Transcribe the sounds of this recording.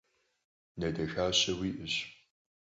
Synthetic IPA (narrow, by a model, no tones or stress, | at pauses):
nɐdɐxaːɕɐwiːʔɨɕ